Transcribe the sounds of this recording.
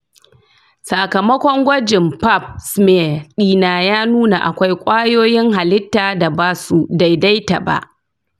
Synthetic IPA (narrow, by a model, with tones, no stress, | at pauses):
sa˨kɐ˨mɐ˦kʷɔ˦ŋɡʷɐ˦d͡ʒɪ˨mpa˦p̚sme˦˨ɗiː˦naː˨jaː˦nuː˦na˨ʔa̰˨kʷa˦jkʷʼaː˦joː˦jɪ˦ŋɦa˨lɪ˦tːaː˨da˨baː˦su˦da˨jda˦jta˨ba̰˨ʔ